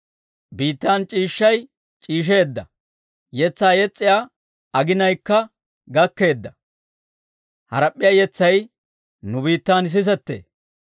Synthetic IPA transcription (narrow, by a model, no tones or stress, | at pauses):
biːt̪ːaːnt͡ʃʼiːʃːɐj | t͡ʃʼiːʃ̬e̞ːd̪ːɐ | jɛt͡sːaːjɛt͡sʼːɪjaː | ɐɡɪnɐjkːɐ | ɡɐkːe̞ːd̪ːɐ | hɐɾɐpʼːɪjaːjɛt͡sːɐj | nʊbiːt̪ːaːns̬ɪs̬ɛt̪ːḛː